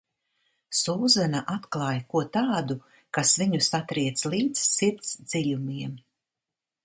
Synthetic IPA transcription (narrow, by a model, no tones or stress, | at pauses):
suːzanaʔat̪klˠɑːjkuɔt̪aːd̪u | kasviɲusat̪ɾiɛt̪slˠiːd̪zsiɾt̪sd̪z̥ilʲumiɛm